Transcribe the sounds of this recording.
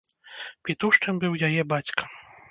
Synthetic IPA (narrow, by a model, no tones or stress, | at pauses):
pʲit̪uʂt͡ʂɨmbɨwjajɛbat͡sʲkɐ̥